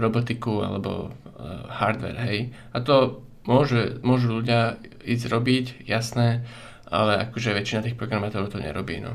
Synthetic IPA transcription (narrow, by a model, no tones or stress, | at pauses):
ɾɔbɔt̪ikua̰lɛ̰bɔ̰ | haɾd̪ʋɛ̰ɾɦɛj | at̪ɔ | mʊɔʒumʊɔʒuːʎuɟɪa | iːzɾɔbicjasnɛː | ʔa̰lɛakɔʒɛʋɛt͡ʃinat̪iːxpɾɔɡɾamat̪ɔɾʊt̪ɔɲɛ̰ɾɔbḭːnɔ̰